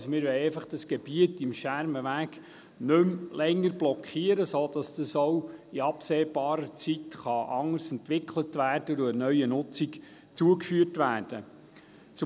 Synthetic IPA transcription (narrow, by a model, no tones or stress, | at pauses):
smɪɾʋɛɪjɛɪfɑχd̥ɑsɡ̥ɛb̥iətɪmʃæɾməʋæːk | nɵmlɛŋːəɾblɔkʰχiːəɾəsoːd̥ɑsd̥̪əsowiɑpseːb̥ɑːɾət͡sitχɑʔɑŋːəɾsɛntʋɪkʰlətʋæːrdədoənœʏənʊt͡sik | t͡suəkfyːərtʋæːrd̥ə | t͡s